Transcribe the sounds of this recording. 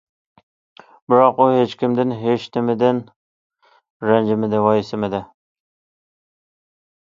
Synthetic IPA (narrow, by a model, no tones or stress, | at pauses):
bɪɾɑquɦet͡ʃkʲʰɪmd̪ɪnɦet͡ʃnɪmɪd̪ɪn | ɾænd͡ʒɪmɪd̪ɪwɑjɪsɪmɪd̪ɪ